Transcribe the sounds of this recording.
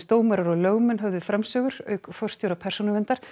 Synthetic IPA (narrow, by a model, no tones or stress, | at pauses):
st̪oːwmɛɾaɾɔɣlœːɣmʏnɦœvðʏfɾamsœːɣʏɾ̥œɥkfɔr̥st̪jowɾapʰɛr̥sunʏɾvɛnt̪aɾ̥